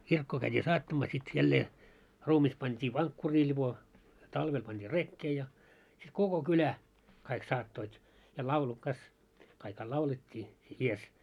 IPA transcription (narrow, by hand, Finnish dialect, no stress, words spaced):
kirkːoː kæitʲiː sɑːtːɑmɑː sit jælːeː ruːmis pɑntʲiː ʋɑŋkːuriː lʲib̥o tɑlʋel pɑnd̥iː rekːeː jɑ sit koko kylæ kɑik sɑːtːoit jɑ lɑulu kɑs kɑikhɑ lɑuletʲːiː ies